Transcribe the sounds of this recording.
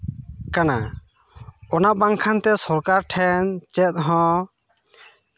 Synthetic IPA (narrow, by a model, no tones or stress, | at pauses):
kana | ɔnabaŋkʰant̪ɛsɔɾkaɾʈʰɛnt͡ʃɛt̪̚ɦɔ̃